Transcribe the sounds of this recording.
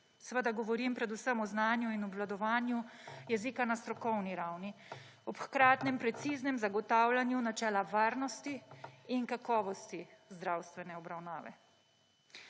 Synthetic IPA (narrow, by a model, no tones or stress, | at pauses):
sʋəd̪aɡɔʋɔɾimpɾɛd̪usəmɔznaːnjuinɔblad̪ɔʋaːnjujɛziːkanast̪ɾɔkɔwniɾawni | ɔpxkɾaːt̪nɛmpɾɛt̪siːznɛmzaɡɔt̪aːwlanjunat͡ʃɛːlaʋaːɾnɔst̪iːnkakɔːʋɔst̪izd̪ɾawst̪ʋɛnɛɔbɾawnaːʋɛ̰